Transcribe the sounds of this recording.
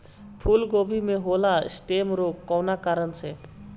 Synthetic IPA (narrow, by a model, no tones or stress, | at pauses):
pʰulɡobʱimeɦola̰sʈemɾokːɔwnakaɾɔnt͡ʃʰe